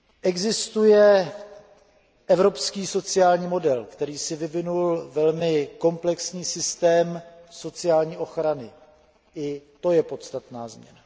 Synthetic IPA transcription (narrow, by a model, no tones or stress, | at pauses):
ʔɛɡzɪst̪ujɛ | ʔɛvɾo̞pskiːso̞t͡sɪaːlɲiːmo̞dɛlkt̪ɛɾiːsɪvɪvɪnulvɛlmɪko̞mplɛksɲiːsɪst̪ɛːmso̞t͡sɪjaːlɲiːʔo̞xɾanɪ | ʔɪt̪o̞jɛpo̞t̪st̪at̪naːzmɲɛ̰na